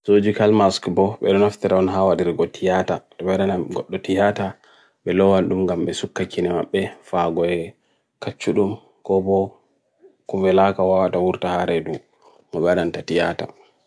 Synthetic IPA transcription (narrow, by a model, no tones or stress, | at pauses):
sod͡ʒikalmaskbɔɓɛɗɔnaft̪iɾaɔnɦawadiɾɡɔtʰijataɗɔɓɛɗanaɡɔɗːɔtijata | ɓɛlɔwanɗumɡamɓɛsukːakːinɛma̰ɓːɛfaɡɔɛ | kat͡ʃːuɗum | kɔbɔ | kuvɛlakawawatawuɾtahaɾɛdu | mɔɓɛaɗantatijata̰